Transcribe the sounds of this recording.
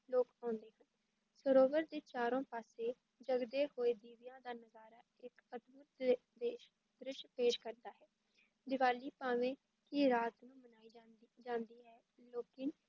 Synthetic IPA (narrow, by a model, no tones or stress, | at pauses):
loːkãːnd̪eːɦən | səɾoːʋəɾd̪eːt͡ʃaːɾõːpaːseː | d͡ʒəɡd̪eːhoːeːd̪iːʋɪjãːd̪aːnəzaːɾaː | ɪkət̪bʊt̪ː | d̪eːʃ | d̪ɾɪʃpeːʃkəɾd̪aːɦɛː | d̪ɪʋaːliːpaːʋẽː | kɪɾaːt̪nũːmənaːiːd͡ʒad͡ʒãːnd̪iːɦɛː | loːkɪn